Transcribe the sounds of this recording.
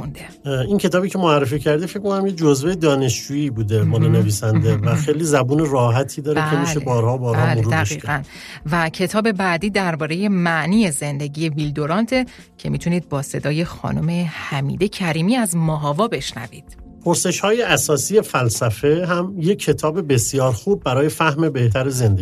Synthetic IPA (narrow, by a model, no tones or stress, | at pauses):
und̪e | incʰe̞t̪ɒːbiːcʰe̞moærːefiːcʰæɾd̪ifecʰmokʰonæmjed͡ʒozvejed̪ɒːne̞ʃd͡ʒuːiːbuːd̪emɒːneneviːsænd̪evæxejliːzæbuːnerɒːɦæt̪ʰiːd̪ɒːɾeæemiʃlebɒːɾhɒːbɒːɾhɔlmoɾud̪æɣʃiːɣæn | væcʰe̞t̪ʰɒːbe̞bæd̪iːd̪æɾbɒːɾe̞je̞mæʔniːje̞ze̞nd̪e̞ɟiːje̞vild̪oɾɒːnt̪ʰe | cʰe̞miːt̪ʰuniːd̪̚bɒːse̞d̪ɒːje̞xɒ̰ːno̰me̞hæmḭːd̪e̞cʰæɾiːmiːæzmɒːɦɒːvɒːbe̞ʃnæ̰vḭːd̪̥pʰoɾse̞ʃhɒːjeæsɒːsiːje̞fælsæfeɦæmjecʰːe̞t̪ʰɒːbe̞be̞sijɒːɾxuːb̚ːæɾɒːje̞fæhme̞be̞ht̪ʰæɾeze̞nd̪ei